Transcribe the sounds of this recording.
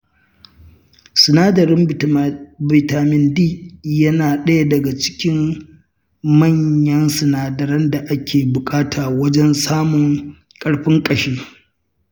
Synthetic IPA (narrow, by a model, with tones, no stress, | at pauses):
sɪ˨naː˦dɐ˨ɾɪ˦m | bɪ˨taː˨mɪ˨ndiː˦jɐ˦naː˨ɗɐ˦ja˦˨dɐ˨ɡa˨t͡ʃɪ̥˦kʲɪ˦m | mɐ˦˨ɲjɐ˦nsɪ˨naː˨dɐ˨ɾɐ˦nda˨ʔa˦kʲeː˨bʊ˨kʼaː˦tʰaː˨wɐ˦d͡ʒɛ˦nsaː˦mʊ˨ŋ | kʼɐ˦ɽɸɪ˦ŋkʼɐ˨ʃeː˦